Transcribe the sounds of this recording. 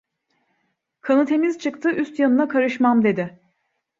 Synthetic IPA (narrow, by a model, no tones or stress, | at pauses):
kʰanɯt̪ʰe̞miz̥t͡ʃʰɯkt̪ʰɯʔyst̪janɯnakʰaɾɯʃmamd̪e̞d̪ɪ